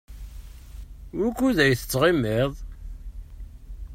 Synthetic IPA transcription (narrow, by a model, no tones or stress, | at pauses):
wækːuðæjθə̥t͡sːʁimːɪðˤ